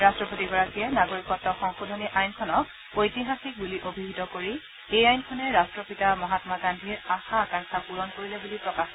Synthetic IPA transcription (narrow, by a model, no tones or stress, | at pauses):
ɹastɹɔpotiɡɔɹakijɛnaɡoɹikɔtːɔxɔŋxodʱoniʔajnkʰɔnɔk | ojtiɦaxik̚buliʔobʱibʱitɔkoɹi | ejajnkʰɔnɛɹastɹɔpitamɔɦatmaɡandʱiɹaxakaŋkʰapuɹɔnkoɹilɛbulipɹɔkax